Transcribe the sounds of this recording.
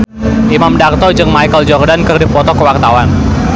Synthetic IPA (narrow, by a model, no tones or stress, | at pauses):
ʔimamdart̪ɔd͡ʒɨŋmajkəld͡ʒɔrdankərdipɔt̪ɔkəwart̪awan